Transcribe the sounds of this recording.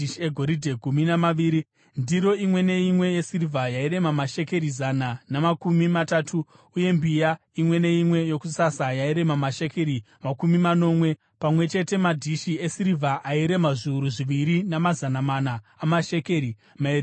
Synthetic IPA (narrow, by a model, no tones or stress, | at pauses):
iʃieɡʱo̞ɾidʱeɡʱuminamaiːɾi | ndiɾo̞imwe̞ne̞imwe̞jesirivʱajaiɾe̞mamaʃe̞ke̞ɾizananamakumimatatʰu | uje̞mbija | imwe̞ne̞imwe̞jo̞kusasajaiɾe̞mamaʃe̞ke̞ɾi | makumimano̞ːmwe̞ | pamwe̞t͡ʃe̞te̞madʱiʃiesiɾivʱaʔaiɾe̞maʐiuɾuʐiʋiɾinamazanamanaːmaʃe̞ke̞ɾi | maeɾ